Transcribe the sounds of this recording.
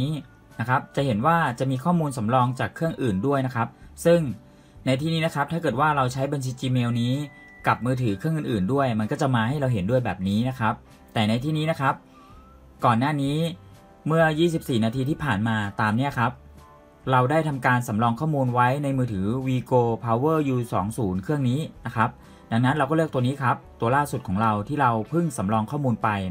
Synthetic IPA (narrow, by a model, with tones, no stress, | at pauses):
na˦˥kʰa˦˥p̚t͡ɕa˨˩ʔɦe˩˦nwaː˥˩t͡ɕa˨˩miː˧kʰɔː˥˩muː˧nsa˩˦mɾɔː˧ŋt͡ɕaː˨˩kʰːɯ˥˩əŋʔɯː˨˩ndu˥˩əjna˦˥kʰa˦˥p̚sɯ˥˩ŋ | na˧jt̪ʰiː˥˩niː˦na˦˥kʰa˦˥p̚t̪ʰaː˥˩kɤː˨˩t̪waː˥˩ɾa˧wt͡ɕʰa˦˥jba˧nt͡ɕʰiː˧˥t͡ɕiː˧meː˧wniː˦˥ | ka˨˩p̚mɯː˧t̪ʰɯː˩˦kʰɯ˥˩ŋʔɯː˨˩nʔɯː˨˩ndu˥˩əjma˧nkɔː˥˩t͡ɕa˨˩maː˧ha˥˩jɾa˧wɦe˩˦ndu˥˩əjbɛ̰ː˨˩p̚niː˦˥na˦˥kʰa˦˥p̚ | t̪ɛː˨˩na˧jt̪ʰiː˥˩niː˦˥na˦˥kʰa˦˥p̚ | kɔː˨˩nːaː˥˩niː˦˥ | mɯ˥˩ɐjiː˥˩s̬i˨˩p̚siː˨˩naː˧t̪ʰiː˧t̪ʰiː˥˩pʰaː˨˩nmaː˧t̪aː˧mni˦˥ɐkʰa˦˥p̚ | ɾa˧wdaː˥˩jt̪ʰa˧mkaː˧nsa˩˦mɾɔː˧ŋkʰɔː˥˩muː˧nwa˦˥jna˧jmɯː˧t̪ʰɯː˩˦wiː˧koː˧pʰaː˧wɤː˥˩juː˧sɔ̰ː˩˦ŋsuː˩˦nkʰɯ˥˩əŋniː˦˥na˦˥kʰa˦˥p̚ | da˧ŋna˦˥nɾa˧wkɔː˥˩lɯ˥˩k̚t̪u˧niː˦˥kʰa˦˥p̚t̪u˧ɐlaː˥˩su˨˩t̪̚kʰɔː˩˦ŋɾa˧wt̪ʰiː˥˩ɾa˧wpʰɯ˥˩ŋsa˩˦mɾɔː˧ŋkʰɔː˥˩muː˧npa˧j